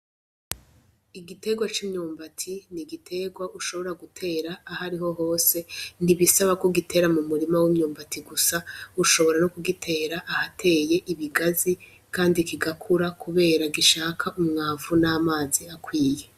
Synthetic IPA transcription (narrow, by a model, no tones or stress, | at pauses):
iɡite̞ɡwat͡ʃiːmɲoːmbatʰiniɡitʰe̞ɡwaʔuʃo̞βo̞ɾaɡutʰe̞ːɾaːɦaɾiɦo̞ɦo̞ːse̞niβisaβakoɡitʰe̞ɾamumuɾimawimɲoːmbatʰiɡusauʃo̞βo̞ɾanokuɡitʰe̞ːɾaʔahatʰe̞ːje̞ʔiβiɡazi | kʰaːndikiɡakʰuɾakuβe̞ːɾaɡiʃaːkʰaʔumŋaːvunaːmaːziakwiːje̞